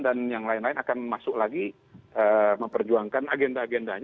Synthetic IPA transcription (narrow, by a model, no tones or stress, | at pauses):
danjaŋlaɪnlaɪnakanmasʊklaɡi | ʔəməmpərd͡ʒuaŋkanaɡɛndaːɡɛndaɲ